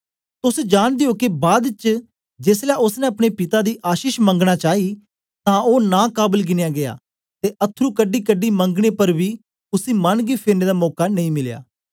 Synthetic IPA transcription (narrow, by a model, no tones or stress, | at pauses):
t̪ʊsd͡ʒaːɽ̃d̪eokibaːd̪t͡ʃ | d͡ʒeːslɛːʊsnɛ̃ɐpɽ̃eːpɪt̪aːd̪iːʔaːʃiːʃmə̃ŋɡɽ̃aːt͡ʃaːiː | t̪ãːʔoːnãːkaːbəlɡɪnejaːɡɪa̰ː | t̪eːʔət̪ʰːɾuːkəɖːiːkəɖiːmə̃ŋɡɽepəɾbiː | ʊsiːmənɡiːpʰɪɾneːd̪aːmɔːkanɐ̃ĩːmɪlja̰ː